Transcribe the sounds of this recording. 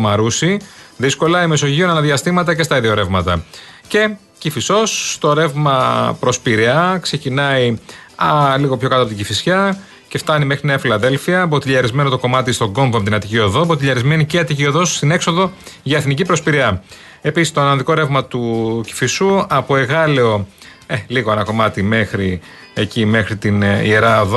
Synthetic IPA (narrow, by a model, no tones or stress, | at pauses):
mɐɾusiðisko̞lɐime̞so̞ʝio̞nɐnɐðiɐst̪imɐt̪ɐce̞st̪ɐiðio̞ɾe̞vmɐt̪ɐ̰ce̞ | cifiso̞sːt̪o̞ɾe̞vmɐpɾo̞spiɾiɐkse̞cinɐiɐliɣo̞pço̞kɐt̪oɐpot̪iɟifisçɐ | ce̞ft̪ɐnime̞xɾineɐfilɐðe̞lfiɐbot̪iʎɐɾizme̞not̪o̞ko̞mɐt̪ist̪oɡo̞mvmt̪inɐt̪icio̞ðo̞bot̪iʎɐɾizme̞niceɐt̪icio̞ðosst̪ine̞kso̞ðo̞ʝɐeθnicipɾo̞spiɾiɐ | e̞pisist̪oɐnɐnðiko̞ɾevmɐt̪uci̥fisuɐpo̞e̞ɣɐleo̞ | eliɣoenɐko̞mɐt̪ime̞xɾi | ecimexɾit̪inie̞ɾɐðo